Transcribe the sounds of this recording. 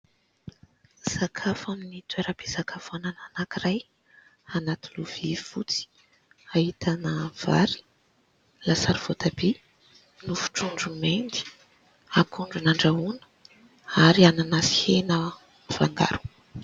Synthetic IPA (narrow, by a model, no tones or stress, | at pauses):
z̥akʰafannit̪weɾab̥ezakʰafanananakiraj | anat̪uluv̥ifut͡si̥ | ahit̪anəv̥a̰ɾi̥ | lasaɾiv̥ot̪abe | nufu̥ʈ͡ʂuɳɖ͡ʐumend̪i̥ | akʰuɳɖ͡ʐunaɳɖ͡ʐaunə̥ | aɾiananasihenə | v̥aŋɡa̰ɾu̥